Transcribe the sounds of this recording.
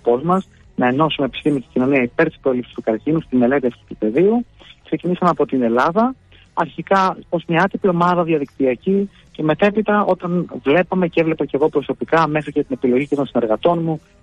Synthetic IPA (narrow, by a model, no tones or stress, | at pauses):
po̞zmɐs | nɐe̞no̞sumepi̥st̪imist̪iɟino̞niɐipe̞ɾt̪ispɾoelipsi̥st̪ukɐɾcinust̪inelet̪iɐfçit̪upe̞ðiukse̞cinisɐmɐpo̞t̪ine̞lɐðɐ | ɐɾçikɐozmɲɐɐt̪ipio̞mɐðɐðiɐðik̚t̪iɐci | ce̞me̞t̪e̞pit̪ɐʔo̞t̪ɐnvle̞pɐme̞ceevle̞pɐce̞ɣo̞pɾo̞so̞pikɐme̞xɾicet̪inepilo̞ʝicet̪onsine̞ɾɣɐt̪o̞nmu